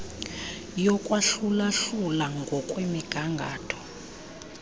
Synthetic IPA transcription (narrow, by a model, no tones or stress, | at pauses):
jɔkʼwaɬulaɬulaŋɡʱɔkʼwemiɡ̥ʱaŋɡʱaːtʰɔ̥